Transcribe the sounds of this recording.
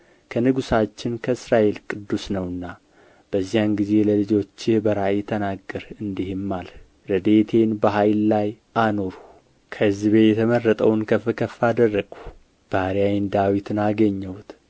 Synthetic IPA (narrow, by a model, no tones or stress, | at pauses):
kʰənɨɡusat͡ʃːɪnkʰəɨsɾaʔe̞lkʼɨd̪ːusnəwɨnːa | b̥əzːijanɡize̞ləlɨd͡ʒo̞t͡ʃːɪhbəɾaʔɛt̪ʰənaɡːəɾɨnd̪ihɪmːal | ɾəd̪e̞t̪ʰe̞nbəɦajlːaj | ano̞ɾu | kʰəɨzɨβe̞jɛt̪ʰəmərːət̪ʼəwnkʰəfɨkʰəfad̪ərːəɡʼu̥ | b̥aɾiajɪnd̪awit̪ʰɨnaɡəɲːɛwt̪